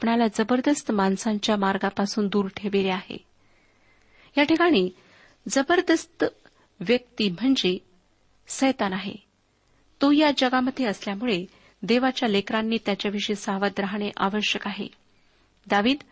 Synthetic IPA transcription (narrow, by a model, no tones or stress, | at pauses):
pɳalad͡zəbəɾd̪əst̪mansaɲt͡ɕjamaɾɡapasuːnd̪uːɾʈʰeʋeleaɦḛ | jaʈʰikaɽ̃iː | d͡zəbəɾd̪əst̪ | ʋjək̚t̪iːm̤əɳd͡ze | səjt̪anaɦḛ | t̪ojad͡ʑəɡaməd̪ʱːjeəsljamuɭe | d̪eʋat͡ɕjalekɾanːiːt̪jat͡ɕjaʋiʂəsaʋad̪ɾaɦɳ̃eʔa̰ʋəɕjəkaɦḛ | d̪aʋiːd̪